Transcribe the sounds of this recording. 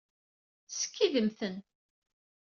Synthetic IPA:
sə̥kːiðəmθən

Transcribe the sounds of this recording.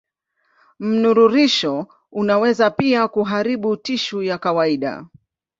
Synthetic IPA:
m̩nuɾuɾiʃɔ | unawɛzapiakuɦaɾiɓutiʃujakawaiɗa̰

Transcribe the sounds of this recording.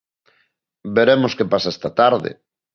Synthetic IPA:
beɾemoskepasaest̪at̪aɾðɪ̰

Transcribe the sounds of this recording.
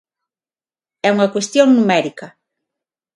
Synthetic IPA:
ɛuŋɐkwest̪joŋnumɛɾikɐ

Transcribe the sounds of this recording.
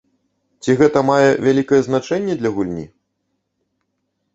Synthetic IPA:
t͡sʲiɣɛt̪ɐmajɛvʲalʲikɐjɛznat͡ʂɛnʲːɛd̪lʲɐɣulʲnʲḭ

